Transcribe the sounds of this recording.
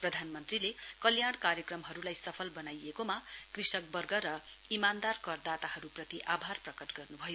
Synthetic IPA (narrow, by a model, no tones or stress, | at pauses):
prʌd̪ʱanmʌnt̪rilekʌljaɽ̃kaɾjʌkrʌmɦʌɾulajsʌpʰʌlbʌnajekomakrisʌk̚bʌrɡʌɾʌ | imand̪arkʌrd̪at̪ahʌɾuprʌt̪iʔabʱarprʌkʌʈɡʌrnubʱʌjo